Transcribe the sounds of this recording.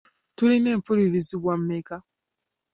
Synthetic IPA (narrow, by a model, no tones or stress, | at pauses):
tuline̞ːmpuliɾiziβwammeka